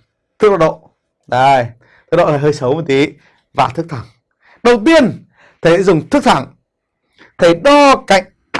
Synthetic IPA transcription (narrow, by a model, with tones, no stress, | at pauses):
t̪ʰɨ˦˥k̚ɗɔ˧˥ɗo̰˧˨ | ɗa˧˩j̪ | ɨ̥˦˧˥ɗo̰˧˨aː˨˩ɦəː˧jsə˨˦wmə˨˧˩t̪i˨˦ | vaː˨˩t̪ʰɨ˦˥k̚t̪ʰa˧˩ŋ | ɗə˨˩wt̪i˧ən | t̪ʰə˨˦zʊ˨˩ŋ͡mt̪ʰɨ˦˥k̚t̪ʰa˧˩ŋ | t̪ʰə˨˦jɗɔ˧ka̰˧˨jŋ̟